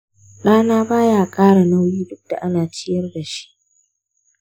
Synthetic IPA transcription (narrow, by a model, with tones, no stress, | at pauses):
ɗaː˦naː˦baː˦jaː˦˨kʼaː˦ɽa˨na˦wjiː˦dʊ˦k̚da˨ʔa˦naː˨t͡ʃɪ˦jɐ˦rda˨ʃi̥˦ʔ